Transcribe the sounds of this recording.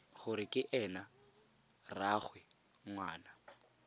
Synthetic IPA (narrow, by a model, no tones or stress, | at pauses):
χʊɾɪkʼɪʔɛna | raχwɛ | ŋwaːna